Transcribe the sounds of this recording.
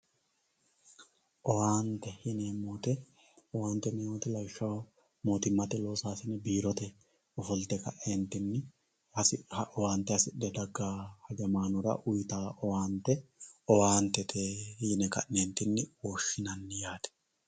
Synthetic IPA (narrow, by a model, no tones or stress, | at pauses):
ʔɔwaːnt̪ːɛhinɛmːoːt̪ɛ | ɔwaːnt̪ːɛnɛjoːt̪ɛlɐjʃːɐw | moːt̪ɪmːɐt̪ɛlo̞ːsaːsɪnːɛbiːɾɔt̪ɛ | ɔfɔlt̪ɛkɐʔent̪ːɪnːɪ | ɐsʔɔwaːnt̪ːɛɐsɪɗːɛd̪ɐɡːaːhɐɡɛmaːnʊɾɐ̰ʔʊjt̪aːʔɔwaːnt̪ːɛɔwaːnt̪ːɛt̪ʰehiːnɛkɐ̰ʔːeːnt̪ɪnːɪwɔːʃːɪnɐnːɪjaːt̪ɛ̥